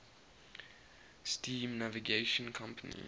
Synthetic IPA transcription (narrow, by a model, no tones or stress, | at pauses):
stĩːmnaviɡeʃə̃nkʰãmpənḭ